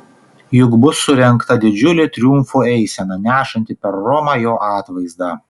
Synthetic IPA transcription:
jʊkbʊsːʊɾʲɛŋˑkt̪ɐd̪ʲɪd͡ʒʲʊlʲɪt̪ʲɾʲjʊmfuːɛɪsʲɛnɐnʲæːʃɐnʲt̪ʲɪpʲɛɾːɔmɑjoːʔɑːt̪ʋɐɪzd̪ɑː

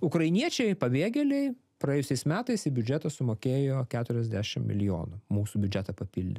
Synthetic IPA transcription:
ʊkɾɐɪnʲiɛt͡ʃʲɛɪpɐbʲeːɡʲɛlʲɛɪ | pɾɐjeːjʊsʲɛɪsmʲæːt̪ɐɪsɪbʲʊd͡ʒʲɛt̪ɐsʊmoːkʲeːjoːkʲæːt̪ʊɾʲɛzʲd̪ʲæːʃʲɪ̰mmʲɪ̰lʲɪjo̰ːnʊmuːsuːbʲʊd͡ʒʲɛt̪ɐpɐpʲilʲd̪ʲɪ

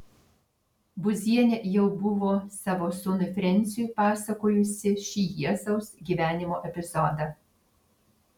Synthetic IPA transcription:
bʊzʲiɛnʲejɛʊbʊʋoːsɑːʋoːsʊnʊfʲɾʲɛnʲˑt̪sʲɪjujpɑːsɐkoːjʊsʲɪʃʲiːjiɛsɐʊsɡʲiːʋʲæːnʲɪmoːʔɛpʲɪzɔd̪ɑ

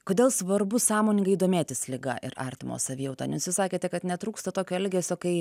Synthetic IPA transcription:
koːd̪ʲeːlˠsʋɐɾbʊsɑːmoːnʲɪŋɡɐɪid̪oːmʲeːt̪ʲɪslʲɪɡɐ̰ʔɪ̰ɾɑ̰ɾʲt̪ʲɪmo̰ːsɐʋʲɪːjɛʊt̪ɑːnʲɛsʋʲɪsɑːkʲeːt̪ʲɛkɐt̪nʲɛt̪ɾuːkst̪ɐt̪oːkʲoːɛlʲɡʲeːsʲoːkɐɪ

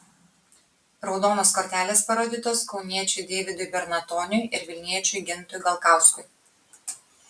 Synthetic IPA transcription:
ɾɒʊd̪oːnoːskoːɾʲt̪ʲæːlʲeːspɐɾoːd̪ʲɪt̪oːskɒʊnʲiɛt͡ʃʲʊɪd̪ʲeːʋʲɪd̪ʊɪbʲɛɾnɐt̪ɔːnʲʊjɪɾʋʲɪlʲnʲiɛt͡ʃʲʊɪɡʲɪnt̪ʊjɡɐlˠkɑˑʊskʊɪ

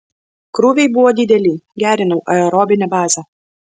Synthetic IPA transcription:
kɾuːʋʲɛɪbʊʋoːd̪ʲɪd̪ʲɛlʲiːɡʲæːɾʲɪnɐʊʔɐɛɾɔːbʲɪnʲɛbɑːzʲɐ

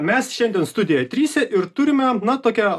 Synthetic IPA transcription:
mʲɛsʃʲɛnʲd̪ʲiɛnst̪ʊd̪ʲɪjɛjt̪ʲɾʲiːsʲɛʔɪɾt̪ʊɾʲɪmʲɛnɐt̪oːkʲɛ

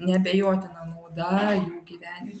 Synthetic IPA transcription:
nʲɛbʲɛjoːt̪ʲɪnɐmuːd̪ɐjuːɡʲiʋʲæːnʲɪ

